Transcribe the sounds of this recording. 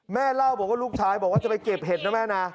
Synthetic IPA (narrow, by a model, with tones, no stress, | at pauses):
mɛː˥˩la˥˩wbɔː˨˩k̚waː˥˩luː˥˩k̚t͡ɕʰaː˧˥˩jbɔː˨˩k̚waː˥˩a˨˩pa˧jke˨˩p̚ɦe˨˩t̪̚na˦˥mɛː˥˩na˦˧